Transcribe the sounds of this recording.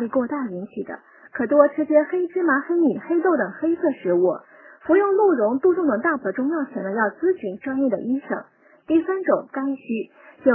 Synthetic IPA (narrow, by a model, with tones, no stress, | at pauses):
li˥˧kwɔ˥˧t̪a˥˩i˧˥nɕi˨˩d̪ə̰˦ | kʰɤ˨˩t̪wɔ˥˩ʈ͡ʂʰɻ̩˥t͡ɕjɛ˥xe˥ɪʈ͡ʂɻ̩˥ma˧˥xe˥ɪni˨˩xe˥ɪt̪o˥˩ʊt̪ɤ˨˩ŋxe˥ɪsɤ˥˩ʂɻ̩˧˥wɔ˥˩ | fu˧˥jʊ˥˧ŋlu˥˩ɻʊ˧˥ŋt̪u˥˧ʈ͡ʂʊ˥˩ŋd̪ə˨˩t̪a˥˩pʰə˨˩ʈ͡ʂʊ˥ŋjɑ˥˩ʊt͡ɕʰjɛ˧˥nlə˧jɑ˥˩ʊt͡sɹ̩˥t͡ɕʰy˧˥nʈ͡ʂwa˥˧ŋjɛ˥˩d̪ə̰˩ʔi˥ʂɤ̰˨˩˦ŋ | t̪i˥˩sa˥nʈ͡ʂʊ˨˩˦ŋka˥nɕy˥ | t͡ɕjo˥˧˩